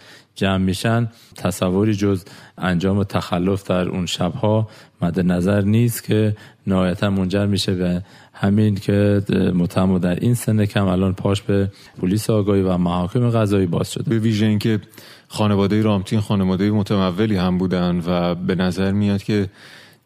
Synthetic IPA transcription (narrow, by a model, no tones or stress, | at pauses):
d͡ʒæmːiːʃæn | t̪ʰæsævːoɾiːd͡ʒozænd͡ʒɒːme̞t̪ʰæxælːo̞fd̪̥æɾṵnʃæbhɒːmæd̪ːenæzæɾniːst̪cʰe̞næhɒːjæt̪ʰænmo̞nd͡ʒæɾmiːʃevæ | hæmincʰemot̪ʰæmod̪æɾʔinsenecʰæmælɒːnpʰɒːʃbe | pʰoliːseɒːɡɒːhiːvæmæhɒːcʰe̞meɣæzɒːiːbɒ̰ːz̥ʃo̞d̪beviːʒeiŋkʰe̞ | xɒːnevɒːd̪ejeɾɒːmt̪ʰinxɒːnevɒːd̪ejemot̪ʰæmævːeliːhæmbuːd̪ænd̪væbe̞næzæɾmijɒːd̪̥cʰe̞